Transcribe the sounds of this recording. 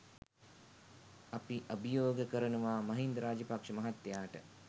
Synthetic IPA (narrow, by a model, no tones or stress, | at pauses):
apiʔɐbijoːɡəkəɾənuʋaːmɐɦind̪ɾaːd͡ʒəpakʂəmɐɦat̪ːejaːʈə